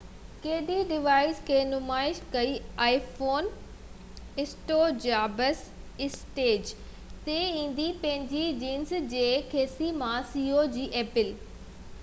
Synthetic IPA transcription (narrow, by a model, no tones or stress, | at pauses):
keːɖiɖɪʋaːɪzkʰeːnʊmaːɪʃkɐiaːifoːn | ɪsʈod͡ʑaːbəs | ɪsʈeːd͡ʑ | t̪eĩːn̆d̪ipɐ̃ɦɪ̃ɲd͡ʑid͡ʑiːnsd͡ʑeːkʰeːsimãsiːod͡ʑiːʔeːpɪl